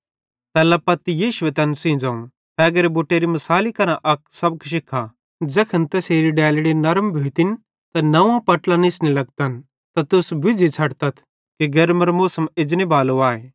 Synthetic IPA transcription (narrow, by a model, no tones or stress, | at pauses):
t̪ɛːlɐpɐt̪ijiːʃʊet̪ɐnsĩːd͡zaːũ | p̪ɛːɡɐɾeboʈːeːɾimɐsaːlikɐnãʔɐk̚sɐb̚kʃɪkʰːa | d͡zɛkʰɐnt̪ɛseːɾiɖɛːlɽinɐɾmbʱeːt̪ɪn | t̪ɐnɐʋãpɐʈlãnɪsnilɐɡ̚t̪ɐn | t̪at̪ʊsbʊd͡zʱit͡sʰɐɽt̪ɐt̪ʰ | keɡɐɾmɐɾmoːsəmɪd͡ʒnibaːloaːeː